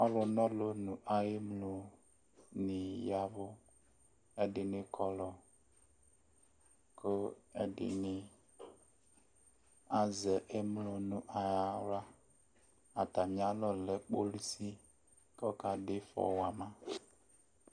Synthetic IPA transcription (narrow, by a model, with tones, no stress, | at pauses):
ɔ˦lʊ˨nɔ˦lo˦nʊ˨ʔa˨je˦mlo˨ | nɪ˨ja˦βʊ˦ | ɛ˦dɪ˨nɪ˨kʰɔ˨lɔ˨ | kʰo˦ɛ̰˦dɪ̰˨nɪ˦ | a˨zɛ˨ʔe˦m˦lo˨nʊ˨ʔa˨ja˦ɾa˦ | a˨ta˨ɲ˨a˦lɔ˨lɛ˨k͡po˦li˦si˦ | kɔ˦ka˨dɪ˦fɔ̰˨wa˨mã˦